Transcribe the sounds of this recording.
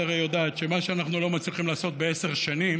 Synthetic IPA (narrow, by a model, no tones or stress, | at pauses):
aʁejod̪aːt̪ʃe̞maʃeanaχnulo̞mat͡sliχimlaːso̞t̪̚be̞ese̞ʁʃanim